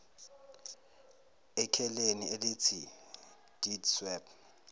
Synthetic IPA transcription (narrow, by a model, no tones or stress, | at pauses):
ɛkʰɛlenielɪt͡sʰi | d̥idswɛb